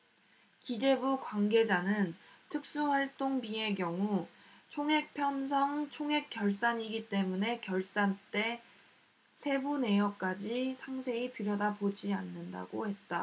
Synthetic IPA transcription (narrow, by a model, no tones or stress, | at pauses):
kid͡ʑe̞bukwaŋɡe̞d͡ʑanɯntʰɯk̚s͈uɸwaɭt͈oŋbie̞ɡjʌŋu | t͡ɕʰoŋɦe̞k̚pʰjʌns̬ʰʌŋt͡ɕʰoŋɦe̞k͈jʌɭs͈aɲiɡit͈e̞mune̞kjʌɭs͈ant͈e̞ | sʰe̞bune̞jʌk͈ad͡ʑisʰaŋsʰe̞itɯɾjʌdabod͡ʑianːɯnda̰ɡ̥ohe̞t̚t͈a